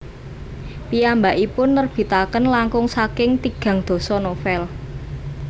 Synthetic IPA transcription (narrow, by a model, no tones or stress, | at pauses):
piambaʔipʊnːərb̥i̤t̪akənlaŋkʊŋsakɪŋt̪iɡ̥ä̤ŋd̪̥o̤sɔnofɛl